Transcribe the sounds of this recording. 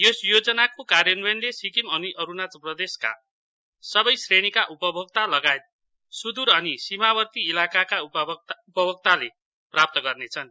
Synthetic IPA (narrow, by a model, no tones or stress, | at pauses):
josjod͡zʌnakokarjʌnbenlesikimʌniʔʌɾunat͡sprʌd̪eska̰ | sʌbʌjsreɽ̃ikaʔupʌbʱʌɡ̚t̪alʌɡaet̪̚ | sud̪uɾʌnisimabʌrt̪iːlakakauupʌbʱʌk̚t̪ale | prap̚t̪ʌɡʌrnet͡sʰʌn